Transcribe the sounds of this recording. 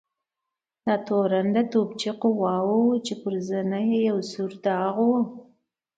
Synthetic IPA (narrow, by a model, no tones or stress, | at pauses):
d̪̥ɑt̪oɾand̪at̪obt͡ʃiqʊwɑwut͡ʃepʊɾzənajejawsuɾd̪əaɣ